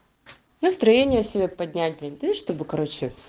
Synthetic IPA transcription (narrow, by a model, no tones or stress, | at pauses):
nəst̪ɾɐjenʲɪjəsʲɪbʲepɐd̪ʲnʲæt̚ʲlʲɪnʲd̪ɨʂt̪o̞bɨkɐɾot͡ɕɪ